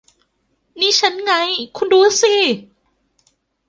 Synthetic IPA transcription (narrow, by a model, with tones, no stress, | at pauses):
niː˧˥˩t͡ɕʰa˦˥nŋa˧˥jkʰu˧nduː˨˧˦si˧˩